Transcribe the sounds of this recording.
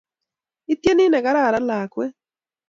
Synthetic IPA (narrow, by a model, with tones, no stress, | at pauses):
i˦t̪je˦nɪ˦nɛ˨ɣa˦ɾa˦˨ɾa˦la˨kwe˦